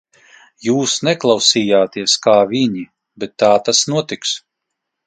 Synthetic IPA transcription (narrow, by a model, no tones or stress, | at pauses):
juːsnɛklˠawsiːjaːt̪iɛskaːviɲi | bɛt̪ːaːt̪asnuɔt̪iks